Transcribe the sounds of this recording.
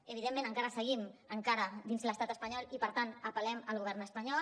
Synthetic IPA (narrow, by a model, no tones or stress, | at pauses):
əβ̞iðemːẽnəŋkaɾəsəɣiməŋkaɾəd̪inzləst̪at̪əspəɲɔlipəɾt̪anəpəlɛməlˠɣuβ̞ɛrnəspəɲɔ